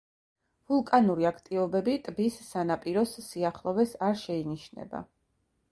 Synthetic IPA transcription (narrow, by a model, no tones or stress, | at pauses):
vulˠkʼanuɾiakʰt̪ʼivɔbɛbit̪ʼbisːanapʼiɾɔsːiaχlˠɔvɛsaɾʃɛiniʃnɛ̰ba̰